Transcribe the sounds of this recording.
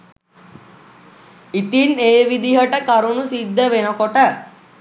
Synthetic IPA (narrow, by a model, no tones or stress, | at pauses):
it̪ineːʋid̪iɦəʈəkɐɾunusid̪ːəʋenəkoʈə